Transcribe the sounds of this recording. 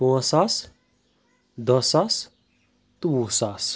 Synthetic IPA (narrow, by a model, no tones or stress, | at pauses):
õsas | d̪ʌsas | t̪uːsas